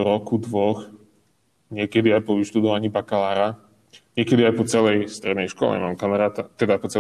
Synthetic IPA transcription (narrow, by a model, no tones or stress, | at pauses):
ɾɔkud̪ʋɔx | ɲɪɛkɛd̪iajpɔʋiʃt̪ud̪ɔʋaɲiːbakalaːɾa | ɲɪɛkɛd̪iajpɔt͡sɛlɛjst̪ɾɛd̪nɛjʃkɔ̰lɛ̰ma̰ːmkamaɾaːt̪at̪ɛd̪apɔt͡sɛ